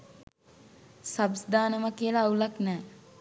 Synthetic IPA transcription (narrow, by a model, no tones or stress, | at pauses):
sabsd̪ʱaːnəməkijəlaːulaknɛː